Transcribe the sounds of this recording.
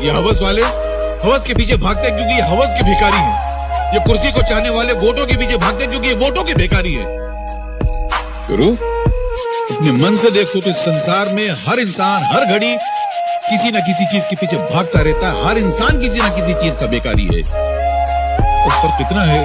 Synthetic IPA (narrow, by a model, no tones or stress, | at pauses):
jeɦɐʋəs̬ʋaːle | hɐʋəzkepiːt͡ʃʰebʱaːɡ̚t̪eɦɛ̃k̬jõːkijeɦɐʋəzkibʱeːkaːɾiɦɛ̰̃ː | jekʊɾsikot͡ʃaːɦneʋaːleʋoːʈõkep̬iːt͡ʃʰebʱaːɡ̚t̪eɦɛ̃kjõːkijeʋoːʈõkibeːkaːɾiɦɛ̰ː | kɐ̰ɾuː | ɐpnemɐ̃nsed̪eːkʰt̪ot̪oɪsːɐ̃nsaːɾmẽɦɐɾɪnsaːnɦɐɾɡʱɐɽi | kɪsinɐk̬ɪsit͡ʃiːzkepiːt͡ʃʰebʱaːɡ̚t̪aɾɛɦt̪aɦɦɐɾɪnsaːnkɪsinɐkɪs̬it͡ʃiːzkabeːka̰ːɾḭɦɛ̰ː | t̪ɐɾsɐɾfɪt̪naɦɛ